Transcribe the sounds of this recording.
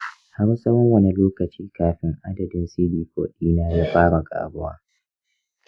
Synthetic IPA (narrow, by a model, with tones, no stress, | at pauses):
ha˦ɽu˦sɐ˦wɐ˦ŋwɐ˦ne˨loː˦kɐ˨t͡ʃiː˦kaː˦ɸɪ˦ŋʔa˦dɐ˨dɪ˦nsiː˦biː˨kʷo̰ː˨ɗiː˦naː˦ja˦ɸaː˦mɐ˨ɡʼa̰ː˨bʊ˦wa̰ː˦